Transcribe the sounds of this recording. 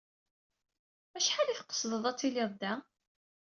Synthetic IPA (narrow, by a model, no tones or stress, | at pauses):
æʃħalifqə̥sˤðˤəðˤæt͡sːilɪðˤd̪ːæ